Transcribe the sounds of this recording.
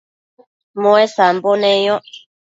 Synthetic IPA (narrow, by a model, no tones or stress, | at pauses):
moɛsam̩bɔnɛjɔ